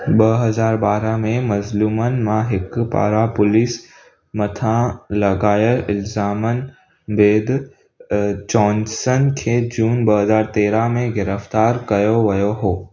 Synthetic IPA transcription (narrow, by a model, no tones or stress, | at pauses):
ɓɐɦɐzaːɾɓaːɾamẽmɐzluːmənɪ̆mãɦɪkpa̰ːɾapʊliːs | mɐt̪ʰãlɐɡaːjəɾɪlzaːmənɪ̆ | beːd̪ | d͡ʒɔːnsənkʰeːd͡ʑuːnbɐɦɐzaːɾt̪eːɾamẽɡɪɾəft̪aːɾkɐjoʋɐjoɦoː